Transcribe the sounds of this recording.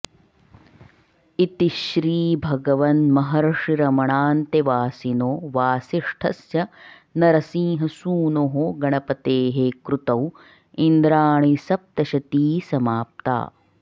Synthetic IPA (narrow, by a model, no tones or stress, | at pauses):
it̪iʃɾiːbʱɐɡɐʋɐnmɐɦɐɾɐʂiɾɐmɐɳaːnt̪eʋaːsinoːʋaːsiʂʈʰɐsjɐ | nɐɾɐsĩːɦɐsuːnoːɦoɡɐɳɐpɐt̪eːɦekɾut̪ɐw | ind̪ɾaːɳisɐp̚t̪ɐʃɐt̪iːsɐmaːp̚t̪a̰ː